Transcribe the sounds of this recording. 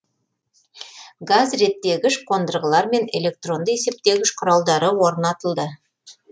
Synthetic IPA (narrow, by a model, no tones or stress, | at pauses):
ɡazɾe̞t̪ːe̞ɡʲɪʃqʰo̞nd̪əɾʁəlˠɑɾme̞ne̞lʲe̞k̚t̪ro̞nd̪əe̞se̞p̚t̪e̞ɡʲɪʃqʰʊɾɑlˠd̪ɑɾəwo̞ɾnɑt̪əlˠd̪ə